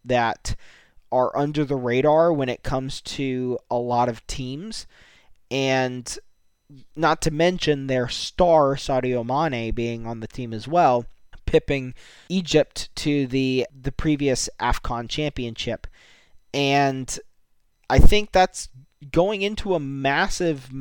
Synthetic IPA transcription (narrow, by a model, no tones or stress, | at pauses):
ðɨɾ | ə˞ʔʌ̃ndə˞ðəɹeɪɾɑɹwə̃ñɨt̚kʰʌ̃mz̥tʰʉəlɔɾʌv̥tʰĩmz̥ | ʔɨ̃n | nətʰɨmɛ̃nʃɨ̃nðə˞stɑɹsɑʊɾioʊmɑnebiɪ̃ŋə̃nðɨtʰĩmɨzwɛlˠpʰɪpɪ̃ŋ | id͡ʒɪp̚tʰɨðiðɨpʰɹ̥iviɨsʔæ̰fkʰɑ̃nt͡ʃʰæ̃mpiɨ̃nʃɪp | ɨ̃n | ʔaɪθɪ̃ŋk̚ðæts | ɡ̥oʊɪ̃ŋɪ̃ntʰuəmæsɪv